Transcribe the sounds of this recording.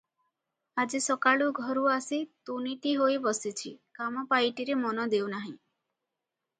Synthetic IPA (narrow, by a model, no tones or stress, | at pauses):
ad͡ʒisɔkaɭuɡʱɔɾuasit̪uniʈiɦojbɔsit͡ʃʰḭkamɔpajʈiɾemɔnɔd̪ewnaɦĩ